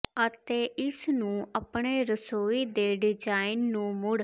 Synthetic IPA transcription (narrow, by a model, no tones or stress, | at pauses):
ət̪eːʔɪsnũːəpɳeːɾəsoːiːd̪eːɖɪd͡ʒaːɪnːũːmʊɽ